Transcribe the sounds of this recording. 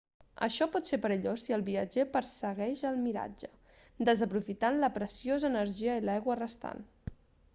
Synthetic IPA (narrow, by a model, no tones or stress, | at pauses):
ə̰ʃɔpɔt̪seɾpəɾəʎosiəlˠβiəd͡ʒepəɾsəɣɛʃəlˠmiɾa̰d͡ʒə | d̪əzəpɾufit̪anləpɾəsiozəːnəɾʒiəilajɣwərəst̪a̰n